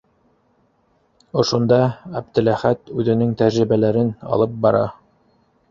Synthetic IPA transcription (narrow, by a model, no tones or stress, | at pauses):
ŏʃŏnd̪ɑæb̚t̪ɘ̆læχæt̪ʉðɘ̆nɘŋt̪æɾɾĭβælæɾɘnɑ̰lˠɤp̚bɑɾɑ̰